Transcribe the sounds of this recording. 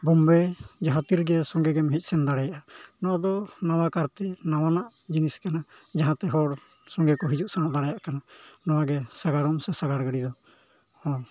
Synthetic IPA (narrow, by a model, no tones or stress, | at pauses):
bɔmbɛd͡ʒaɦãt̪iɾɡɛsɔŋɡɛɡɛmɦic̪̚ˀsɛnd̪aɽɛjaʔanɔad̪ɔnawakaɾt̪ɛnawanaʔ | d͡ʒiniskanad͡ʒaɦãt̪ɛɦɔɽ | sɔŋɡɛkɔɦid͡ʒuʔsaŋɔʔd̪aɽɛjaʔkananɔwaɡɛsaɡaɽɔmsɛsaɡaɽɡəɽid̪ɔ | hɔ̃